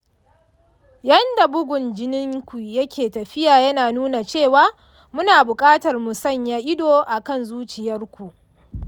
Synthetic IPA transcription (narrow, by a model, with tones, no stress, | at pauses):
jɐ˦nda˨bʊ˦ɡʷʊ˨nd͡ʒɪ˦nɪ˦ŋkʷu˨jɐ˦kʲʰeː˨tɐ˨ɸɪ˦jaː˨jɐ˦naː˨nuː˦na˨t͡ʃeː˦˨waː˦ | mʊ˦naː˨bʊ˨kʼaː˦tɐ˨rmʊ˨sɐ˦˨ɲjaː˦ʔɪ˦doː˨ʔa˨kɐ˦˨nzuː˦t͡ʃɪ˨jɐ˦rkʷu˨ʔ